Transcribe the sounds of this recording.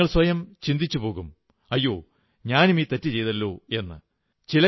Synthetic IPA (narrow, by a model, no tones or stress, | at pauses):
ɐɭswɐjɐmt͡ɕind̪it͡ɕːupo̞ːɣum | ɐjːo̞ː | ɲaːnumiːt̪etːit͡ɕe̞jðɐlːo̞ːe̞nːɨ̰ | t͡ɕilɐ